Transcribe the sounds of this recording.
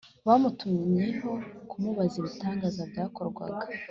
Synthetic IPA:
βamutumiɲiɦo̞kumuβaziβutaːŋɡazabjaːko̞ɾɡwa̰ɡḁ

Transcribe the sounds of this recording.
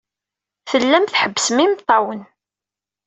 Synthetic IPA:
θəlːæmθħəbːəsmimt̪ˤːɑwən

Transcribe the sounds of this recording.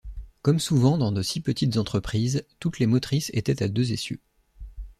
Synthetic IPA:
kɔmsuvɑ̃d̪ɑ̃d̪əsipət̪it̪zɑ̃t̪χəpχizt̪ut̪lemɔt̪χisḛt̪ɛt̪ad̪øzesjø̰

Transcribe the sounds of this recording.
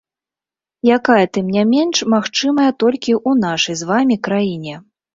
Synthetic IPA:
jakajɐt̪ɨmnʲamʲɛnʂmaxt͡ʂɨmɐjɐt̪ɔlʲkʲiʔunaʂɐjzvamʲikɾajinʲɛ

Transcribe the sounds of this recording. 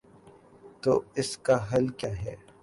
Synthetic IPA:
t̪oːɪskaɦɐlkjaːɦɛː

